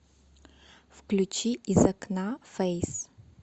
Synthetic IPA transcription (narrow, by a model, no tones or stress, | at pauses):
fklʲut͡ʃiizɐknafɛjs